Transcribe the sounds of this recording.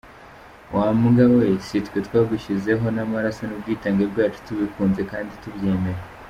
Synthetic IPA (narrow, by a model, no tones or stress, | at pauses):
wʔaːmuɡaβesitwetwaːɡuʃize̞ɦo̞namaɾasonub̚ɡiːtaːŋɡebɡaːt͡ʃu̥tuβikuːnze̞kaːnditubje̞ːme̞ɾe